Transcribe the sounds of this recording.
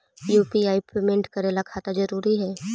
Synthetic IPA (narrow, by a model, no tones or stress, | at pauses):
juːpiaːipemẽɳʈkɐɾeːlakʰaːt̪ad͡ʒɐɾuːɾiɦɛː